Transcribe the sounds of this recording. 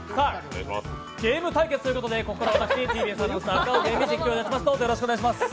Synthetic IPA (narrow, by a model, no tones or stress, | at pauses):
saː | ɡe̞ːmɯ̟t̪aike̞t͡sɨ̥t̪ojɯ̟ko̞t̪o̞d̪e̞ko̞kokːaɾaβat̪akɯ̥t̪et̪iːbiːsãnːosakːaoɡeːmːid͡ʑikʲːoːd̪eat͡ɕːimasɨ̥t̪aɦoːd̪ejoɾɕikoeɡaɕ̬imasɨ̥